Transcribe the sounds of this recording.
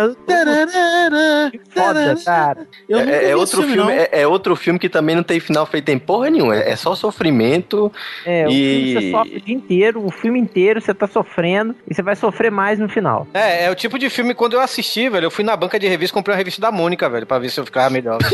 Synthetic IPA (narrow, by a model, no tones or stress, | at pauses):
t̪eɾɾɾimfɔɾdɐkaɾɐ | ewñɛ̃ɛot̪ɾʊfiwmɪ̃ɛʔɛowt̪ɾʊfiwmɪkɪt̪ɐ̃mbẽj̃nɐ̃t̪ẽj̃finawfejt̪ʊẽpoɦɐnẽɲũmɐɛ̰ʔɛ̰sɔʊsofɾimẽnt̪ʊɛiimsesɔfd͡ʒiĩt̪eɾʊːfiwmɪĩt̪eɾʊset̪asofɾẽd̪ʊɪsevajsofɾemajznʊfina̰wɛɛʊt͡ʃipʊd͡ʒɪfiwmɪkwɐ̃nd̪ʊewasiʃt͡ʃivɛlʎʊewfujnɐbɐ̃ŋkɐd͡ʒɪhevistɐkõpɾejũɐheviʃt̪ɐd̪ɐmõnikɐvɛʎʊpɾɐvesɪewfi̥kavmeʎɔɾ